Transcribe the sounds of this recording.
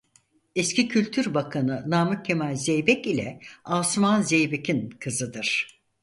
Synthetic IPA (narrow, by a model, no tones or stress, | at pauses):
escicʰylʲt̪ʰyɾbakʰanɯnaːmɯcʲʰːemalʲzejbɛcilʲɛ̰aːsmanzejbecʰinkʰɯzɯd̪ɯɾ̥